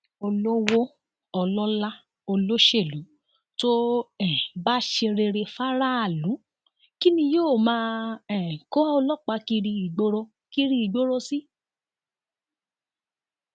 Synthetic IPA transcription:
o˧lo˦wo˦ | ɔ˧lɔ˦la˦ | o˧lo˦ʃe˦˨lu˨˦ | to˦ɛ˦˨ba˦ʃe˧ɾe˧ɾe˧fa˦ɾa˦a˦˨lũ˨˦ | ki˦nĩ˧joː˦˨mãː˦ɛ˦˨ko˦ɔ˧lɔ˦k͡pa˧ki˧ɾi˧i˨ɡ͡bo˦ɾo˧ | ki˦ɾi˦i˨ɡ͡bo˦ɾo˦si˦

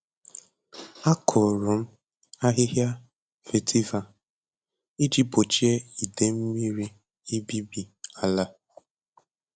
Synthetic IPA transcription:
a˦kʰʊ˨ɾʊ˨m̩˦ | a˦ɦɪ˦ɦja˦ | fe˨tʰi˦va˨ | i˦d͡ʒi˦bo˨t͡ʃi˦e˦i˨de˨m̩˦mi˦ɾi˦ | i˦bi˦bi˨a˨la˦

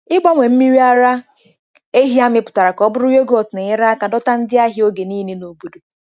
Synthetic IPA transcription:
ɪ˦ɡ͡bɔ˦ŋʷe˨m̩˦mi˦ɾi˦a˦ɾa˦ | e˦ɦi˦a˦mɪ˦pʊ̥˨ta˨ɾa˨kɔ˦bʊ˦ɾu˦je˦ɡo˨tnɪ˨ɪ˦ɾa˦ka˨dɔ˦ta˦n̩˦dɪ˦a˦ɦɪ˦o˦ɡe˨niː˦ne˦no˨bu˨do˨

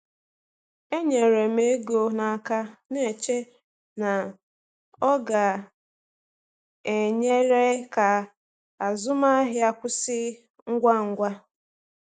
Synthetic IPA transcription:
e˦ɲe˨ɾe˨m̩e˦ɡo˨na˨ka˦ne˦˨e˨t͡ʃe˦ | na˨ | ɔ˦ɡa˨ | e˨ɲe˦ɾe˦ka˨ | a˨zʊ˦ma˦ɦɪ˦a˦kʷʊ˦sɪ˦ | ŋ̩˦ɡʷa˦ŋ̩˨ɡʷa˦

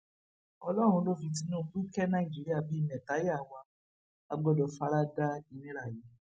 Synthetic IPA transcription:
ɔ˧lɔ˦˨ɾ̃ũ˧˦lo˦˨vĩ˧t̬i˧˦nũː˦˨˦k͡pi˦kɛ˦nã˦i˨d͡ʒi˨˦ɾi˦a˧˨bi˨˦˨mɛ̃˨ta˨˦jwa˧ | a˧ɡ͡bɔ˦dɔ˧fa˧˦ɾa˦da˦i˨nĩ˦ɾa˨ji˨˦

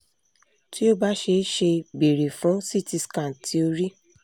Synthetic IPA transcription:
ti˦o˦ba˦ʃe˧˦ʃe˧be˨ɾe˨fũ˨˦si˦˨ti˧skã˨tʰi˦o˧ɾi˦

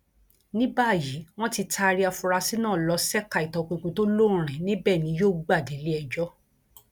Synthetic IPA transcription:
nĩ˦ba˦˨ji˨˦w̃ɔ̃˦ti˧tʰa˧ɾi˧˦a˧fu˧ɾa˧si˦nãː˦˨lɔ˧sɛ˦ka˧˨i˨tɔ˧k͡põ˧kũ˧to˦lõ˦˨ɾ̃ɛ̃˨nĩ˦bɛ˦˨nĩ˨˦joː˦˨ɡ͡ba˦˨de˨˦le˦ɛ˧d͡ʒɔ˦

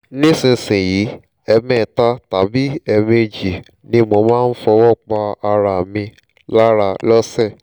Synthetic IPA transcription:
nĩ˦sĩ˧sĩ˨ji˨˦ | ɛ˧mɛ̃˦˨ta˦ta˨bi˦ɛ˧mẽ˧d͡ʒi˨ | nĩ˦mo˧mãː˦˧n̩˦fɔ˧wɔ˦˨k͡pa˧a˧ɾa˨mĩ˧ | la˦ɾa˧lɔ˦sɛ˦˨

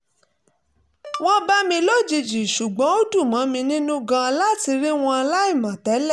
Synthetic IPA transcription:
w̃ɔ̃˦ba˦mĩ˧lo˦˨d͡ʒi˧d͡ʒi˨ʃu˨ɡ͡bɔ̃˨˦o˦du˦˨mã˨˦mĩ˧nĩ˦nũ˦ɡã˧a˧la˦ti˧ɾi˦w̃ɔ̃˧a˧la˦i˦˨mã˨tɛ˨˦lɛ˦˨

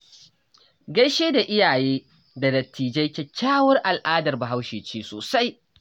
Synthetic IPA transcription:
ɡɐ˦jʃeː˦da˨ʔɪ˦jaː˨jeː˦ | da˨dɐ˨tʰːiː˨d͡ʒɐ˦jkʲe˦kʲaː˦wɐ˦rʔa˨lʔaː˦dɐ˨rba˨ɦa˦wʃeː˨t͡ʃeː˦so̰ː˨sa˦j

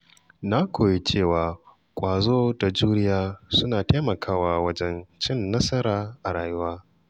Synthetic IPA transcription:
na˦kʷʰoː˨je˦t͡ʃeː˦˨waː˨ | kʷʼaː˨zoː˦da˨d͡ʒuː˦ɾɪ˦jaː˦sʊ˦naː˨te˦mɐ˨kʰaː˦waː˨wɐ˦d͡ʒɛ˦nt͡ʃɪ˦nːɐ˦sɐ˦ɾaː˨ʔa˨ɽaː˨jʊ˦waː˦

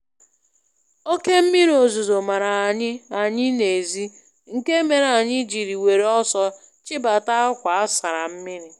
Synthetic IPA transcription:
o˦ke˦m̩˦mi˦ɾo˨zu˨zo˨ma˨ɾa˨a˨ɲɪ˦a˨ɲɪ˦ne˨zi˦ | ŋ̩˨ke˦me˨ɾa˨ɲɪ˦d͡ʒi˨ɾi˨we˨ɾe˨ɔ˦sɔ˦ | t͡ʃɪ˦ba˨ta˦ʊ˦kʷa˨a˦sa˨ɾa˨m̩˦mi˦ɾi˨

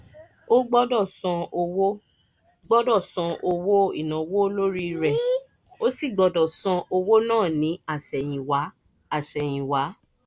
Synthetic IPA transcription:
o˦ɡ͡bɔ˦dɔ˦˨sã˧o˧wo˦ | ɡ͡bɔ˦dɔ˦˨sã˧o˧wo˦ḭ˦˨nã˨wo˦lo˦ɾi˦˧ɾɛ˨ | o˦si˦˨ɡ͡bɔ˧dɔ˨sã˧o˧wo˦nãː˦˨nĩ˨˦a˦˨ʃɛ˨j̃ĩ˨wa˨˦ | a˨ʃɛ˨j̃ĩ˨wa˨˦

